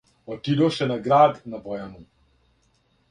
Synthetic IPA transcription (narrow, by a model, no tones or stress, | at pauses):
ɔt̪id̪oʃɛnaɡɾaːd̪nabɔjamu